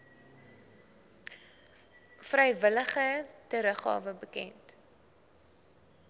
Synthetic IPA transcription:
frɛjvələχətəɾəχɑ̰ːvəbəkɛ̰nt

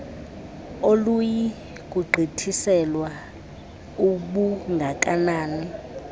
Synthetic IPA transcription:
oluji | k̬ʼuɡ͡ǃʱitʰisɛlwa | uɓuŋɡʱak̬ʼanaːni

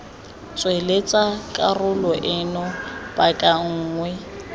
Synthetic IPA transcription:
t͡sʼwelet͡sʼakʼarʊlɔʔɪnɔb̥akʼaŋ̩ːŋwɛ

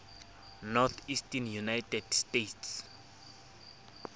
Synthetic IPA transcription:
nɔt̪ʰistɛnjunajtʰɛdstetʰs

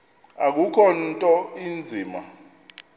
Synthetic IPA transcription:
ak̬ukʰɔntʼɔind͡zʱiːma

